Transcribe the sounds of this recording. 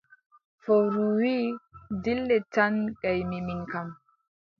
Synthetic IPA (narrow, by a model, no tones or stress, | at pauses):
fɔwɾuwidilːɛtanɡajmimiŋkam